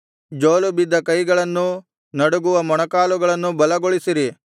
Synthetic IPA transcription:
d͡ʒoːlubid̪ːɐkɐjɡɐɭɐnːu | nɐɽuɡuʋɐmɔɳɐkaːluɡɐɭɐnːubɐlɐɡoɭisiɾi

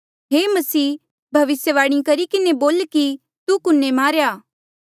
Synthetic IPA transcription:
ɦeːmɐsiː | bʱɐʋɪsjəʋaːɽ̃ĩkɐɾikɪneboːlki | t̪ukʊnːemaːɾjaː

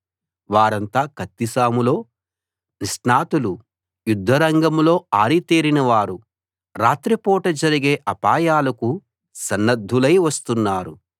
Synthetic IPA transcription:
ʋaːɾɐnt̪aːkɐt̪ːisaːmulo̞ː | nisnaːt̪ulu | jud̪ʱːɐɾɐŋɡɐmlo̞ːaːɾit̪iːɾinɐʋaːɾu | ɾaːt̪ɾipɔːʈɐd͡ʒɐɾiɡe̞ːʔɐpaːjaːlɐku | sɐnːɐd̪ʱːulɐjʋɐst̪unːaːɾu

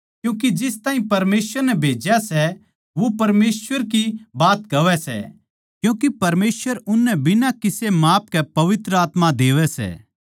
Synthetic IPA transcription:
kjũːk̬id͡ʒɪst̪ãːĩpɐɾmeːsʋəɾnɛbʱeːd͡ʒjasɛ | ʋopɐɾmeːsʋəɾkibaːt̪kɐʋɛsɛ̰ | kjũːkipɐɾmeːsʋəɾʊnːɛbʱɪnakɪsemaːp̚kɛpɐʋɪt̪ɾəaːt̪mad̪eːʋɛsɛ̰ː

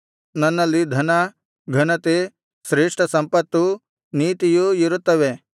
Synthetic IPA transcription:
nɐnːɐlːid̪ʱɐnɐ | ɡʱɐnɐt̪e | sɾeːʂʈʰɐsɐmpɐt̪ːu | niːt̪ijuiɾut̪ːɐʋe

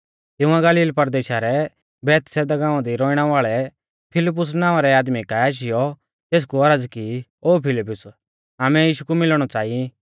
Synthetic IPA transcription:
t̪ɪ̃ʊ̃ãɡɐliːlpɐɾd̪eːʃaɾɛ | bɛːt̪sɛd̪aɡãːãd̪iɾɔːɪɽ̃aʋaːɭɛ | pʰɪlɪp̬ːʊs̬nãːʋaɾɛaːd̪mikaaːʃ̬ɪjɔ | t̪eːs̬kuɐɾəd͡zkioːpʰɪlɪpːʊs | aːmɛjiːʃukumɪlɽ̃ɔt͡saːi

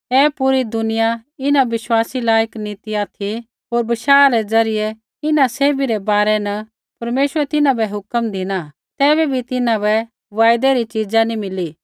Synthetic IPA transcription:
ɛːpʊɾid̪ʊnɪjaɪnãʋɪʃwaːsilaːjəkniːt̪iat̪ʰi | ɦoːɾbɐʃaːɾɛd͡zɐɾɪjɛ | ɪnãseːbiɾɛbaːɾɛnɐ | pɐɾmeːʃəɾɛt̪ɪnãbɛɦʊkəmd̪ʱɪna | t̪ɛːbɛbʱit̪ɪnãbɛ | ʋaːjd̪ɛɾit͡ʃid͡ʒanimɪli

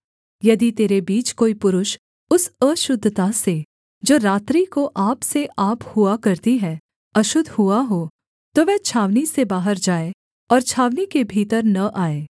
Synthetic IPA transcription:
jɐd̪it̪eːɾebiːt͡ʃkoːipʊɾʊʃ | ʊsəʃʊd̪ʱːt̪ase | d͡ʒoːɾaːt̪ɾikoʔaːpseʔaːphʊakɐɾt̪iɦɛ | ɐʃʊd̪ʱhʊaɦoː | t̪oʋɛːt͡ʃʰaːʋnisebaːɦəɾd͡ʒaːe | ɔːɾt͡ʃʰaːʋnikebʱiːt̪əɾnɐʔaːeː

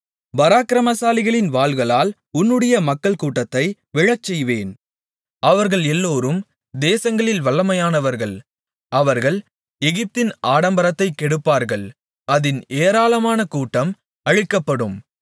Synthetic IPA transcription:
bɐɾaːkɪɾɐmɐsaːlɪɣɐɭɪnʋaːɭɣɐɭaːl | ʊnːɯɽɐjɐmɐkːɐɭkuːʈːɐt̪ːɐɪ | ʋɪɻɐt͡ʃːɛjʋeːn | ʔɐʋɐɾɣɐɭɛlːoːɾɯm | d̪eːsɐŋɡɐɭɪlʋɐɭːɐmɐjaːnɐʋɐɾɣɐɭ | ɐʋɐɾɣɐɭ | ɛɣɪp̚t̪ɪnaːɽɐmbɐɾɐt̪ːɐɪkːɛɽɯpːaːɾɣɐɭ | ɐðɪneːɾaːlɐmaːnɐkuːʈːɐm | ɐɻɪkːɐpːɐɽɯm

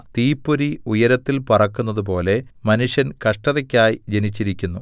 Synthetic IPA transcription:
t̪iːpːoɾiujɐɾɐt̪ːilpɐrɐkːunːɐðup̬o̞ːle̞mɐnuʂjɐnkɐʂʈɐðɐkʲːaːjid͡ʑenit͡ɕːiɾikʲːunːu

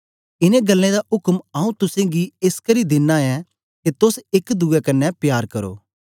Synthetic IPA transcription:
ɪnẽɡɐlːẽd̪aʔʊkmaũt̪ʊsẽɡieskɐɾid̪ɪnːaɛ | ket̪ʊsɪkd̪ʊɛkɐnːɛpjaːɾkɐɾo̰ː

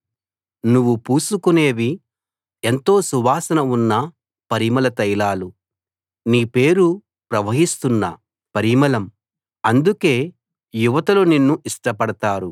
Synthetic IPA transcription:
nuʋːupuːsukune̞ːʋi | ent̪o̞ːsuʋaːsɐnɐunːɐ | pɐɾimɐlɐt̪ɐjlaːlu | niːpe̞ːɾu | pɾɐʋɐɦist̪unːɐ̰ | pɐɾimɐlɐm | ɐnd̪uke̞ː | juʋɐt̪ɐloːninːuiʂʈɐpɐɽɐt̪aːɾu

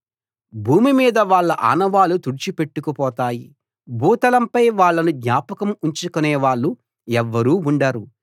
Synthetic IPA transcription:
bʱuːmimiːd̪ɐʋaːɭːɐʔa̰ːnɐʋaːlut̪uɽit͡ʃipe̞ʈːukupɔːt̪aːji | bʱuːt̪ɐlɐmpɐjʋaːɭːɐnuɡ̪nʲaːpɐkɐmuɲt͡ʃukunɛːʋaːɭːu | ɛʋːɐɾuːuɳɖaːɾu

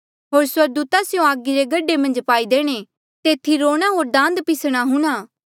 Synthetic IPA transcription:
ɦoːɾswɐɾɡ̚d̪uːt̪asjõaːɡiɾeɡɐɖemɐ̃nd͡ʒpaːid̪eːɽ̃e | t̪eːt̪ʰːiɾoːɽ̃aɦoːɾd̪ãːnd̪pɪsɽ̃aɦʊɽ̃aː

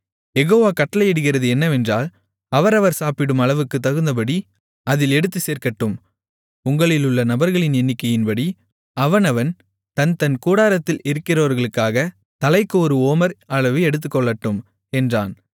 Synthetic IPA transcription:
jɛɣoːʋaːkɐʈːɐlɐɪɛɽɯɣɪrɐðɯɛnːɐʋɛndraːl | ɐʋɐɾɐʋɐɾsaːpɪɽɯmɐɭɐʋɯkːɯt̪ːɐɣɯnd̪ɐp̬ɐɽi | ɐðɪlɛɽɯt̪̬ːɯseːɾkɐʈːɯm | ʊŋɡɐɭɪlɯɭːɐnɐbɐɾɣɐɭɪnɛnːɪkːɐjɪnpɐɽi | ɐʋɐnɐʋɐn | t̪ɐnt̪ɐnkuːɽaːɾɐt̪ːɪlɪɾɯkːɪrɐʋɐɾɣɐɭɯkːaːɣɐ | t̪ɐlɐɪkːɯɔɾɯoːmɐɾɐɭɐʋɯɛɽɯt̪ːɯkːɔɭːɐʈːɯm | ɛndra̰ːn

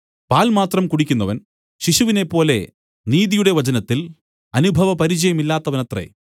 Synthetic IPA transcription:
paːlmaːt̪rɐmkuɽikʲːunːɐʋɐn | ɕiɕuʋine̞pːo̞ːle̞̰ | niːðijuɽe̞ʋɐt͡ɕɐnɐt̪ːil | ɐnubʱɐʋɐpɐɾit͡ɕɐjɐmilːaːt̪ːɐʋɐnɐt̪rḛ

